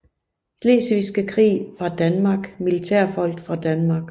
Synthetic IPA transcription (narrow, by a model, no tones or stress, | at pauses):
sle̝̰ːsʋisɡ̥əkʰʁḭːfʁɑ̈d̥ænmɑ̈ɡ̥milit͡sʰæɐ̰fɒ̽l̰ɡ̥fʁɑ̈d̥ænmɑ̈ɡ̥